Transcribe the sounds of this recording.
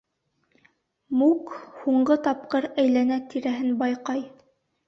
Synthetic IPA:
mukhuɴɢɤt̪ɑp̚qɤɾæjlænæt̪iɾæɦɘnbɑjqɑj

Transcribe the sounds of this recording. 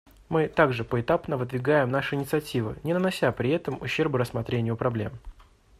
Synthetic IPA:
mɨt̪aɡʐɨpəɪt̪apnəvɨd̪vʲɪɡajɪmnaʂɨɪnʲɪt̪sɨɐtʲivɨ̰nʲɪnənɐsʲapɾʲɪɛt̪əmʊɕːe̞rbɨɾəsmɐt̪ɾʲenʲɪjʊpɾɐblʲe̞̰m

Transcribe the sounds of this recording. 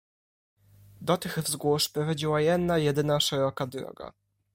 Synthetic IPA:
d̪ɔt̪ɘxvzɡwuʂpɾɔvad͡ʑiwajɛd̪nːajɛd̪ɘnaʂɛɾɔkad̪ɾɔ̰ɡa̰

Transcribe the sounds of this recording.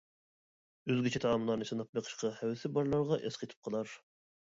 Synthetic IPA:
øzɡʲit͡ʃʰɛt̪ʰɑɑmlˠɑɾnɨsɨnɑp̚beqʰə̥ʃqʰɑhæwsɪbɑɾlˠɑɾʁɑʔesqʰet̪ʰɪ̥p̚qʰəlˠɑɾ

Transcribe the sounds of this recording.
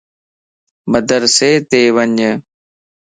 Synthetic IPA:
bəd̪əɾseːt̪eːʋəɲə

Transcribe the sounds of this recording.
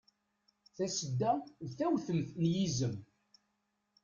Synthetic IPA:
θæsəd̪ːæðθæwθəlθnjizəm

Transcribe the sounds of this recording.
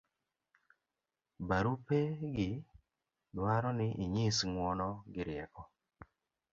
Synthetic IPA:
baɾupeɡɪ | dwaɾɔnɪʔiɲisŋwɔnɔɡɪɾjɛkɔ

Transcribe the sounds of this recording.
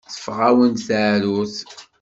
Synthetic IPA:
θə̥fʁæwənθaʕɾuθ

